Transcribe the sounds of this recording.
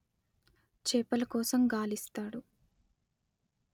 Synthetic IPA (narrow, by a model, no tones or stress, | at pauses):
t͡ʃɛːpɐlɐkɔːsɐmɡaːlist̪aːɽu